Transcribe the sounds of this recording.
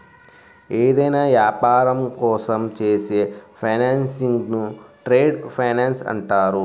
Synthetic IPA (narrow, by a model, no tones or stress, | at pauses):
eːd̪ɐjnaːʋjaːpaːɾɐmkɔːsɐmt͡ʃeːseːpʰɐjnaːnsiŋɡnuʈɾeːɖpʰɐjnaːnsɐ̰ɳʈaːɾu